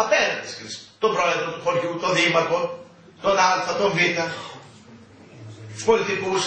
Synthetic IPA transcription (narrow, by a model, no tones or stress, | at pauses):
ɐpeɾɐnt̪e̥skiɾist̪obɾoeðɾot̪uxo̞ɾʝut̪o̞ðimɐk̪o̞ | t̪onɐlθɐt̪oɱvit̪ɐ | solit̪ikus